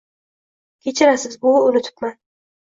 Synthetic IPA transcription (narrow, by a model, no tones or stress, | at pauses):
kʲʰe̞t͡ʃʰɪɾasɪzbʊʊnɪt̪ʰɪ̥pman